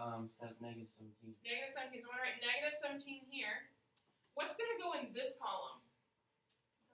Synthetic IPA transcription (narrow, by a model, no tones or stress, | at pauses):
ʌ̃msɛnɛɡɨɾɨv̥sʌ̃mtʰĩmnɛɡɨɾɨv̥sʌ̃m̃ntʰĩmslˠɹaɪtⁿnɛɡɨɾɨv̥sʌ̃mtʰĩmɦiɹ | wʌtsɡ̥ʌnɨɡoʊɨ̃nðɪskʰɑlˠə̃m